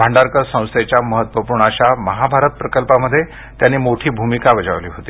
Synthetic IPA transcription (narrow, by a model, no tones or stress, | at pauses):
bʱaɳɖaɾkəɾsə̃w̃st̪et͡ɕjaməɦət̪ʋəpuɾɳəɕaməɦabʱaɾət̪̚pɾəkəlpaməd̪ʱːje | t̪janːiːmoʈʰiːbʱumikaʋəd͡ʑa̰ʋliːɦot̪iː